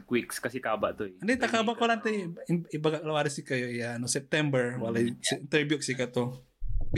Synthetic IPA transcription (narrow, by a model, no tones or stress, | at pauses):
kwikskasikaba̰ʔt̪uandɛt̪akabaʔkolant̪aibaɡaʔlawaɾisikajoijanosɛp̚t̪ɛmbərwalasint̪ərbjukḁsikat̪u